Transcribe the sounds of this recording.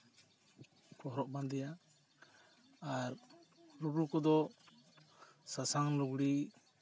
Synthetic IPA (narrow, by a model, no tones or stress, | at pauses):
kɔɦɾɔʔband̪ɛja | aɾɾuɾukɔd̪ɔ | sasaŋluɡɽi